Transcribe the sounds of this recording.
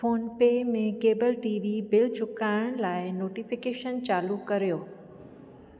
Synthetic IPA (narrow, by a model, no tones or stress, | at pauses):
foːnpeːmẽkeːbəlʈiːʋibɪlt͡ɕʰʊkaːɪɽ̃laːɪnoːʈifɪkeːʃənt͡ɕaːlukɐɾijoː